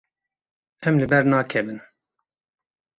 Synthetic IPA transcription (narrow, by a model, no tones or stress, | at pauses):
ɛmlɨbɛɾnɑːkʰɛbɨn